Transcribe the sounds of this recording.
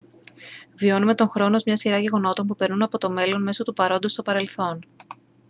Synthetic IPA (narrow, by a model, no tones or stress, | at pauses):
vio̞nume̞t̪o̞ŋxɾo̞no̞zmɲɐsiɾɐʝe̞ɣo̞no̞t̪o̞npupe̞ɾnunɐpo̞t̪o̞me̞lo̞nme̞so̞t̪upɐɾo̞nd̪ost̪o̞pɐɾe̞lθo̞n